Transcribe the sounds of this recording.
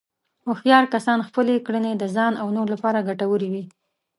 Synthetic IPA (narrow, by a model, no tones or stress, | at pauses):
oxjɑɾkasɑnxpəlekɽəned̪əzɑnawnoɾlapɑɾaɡaʈawəɾiwi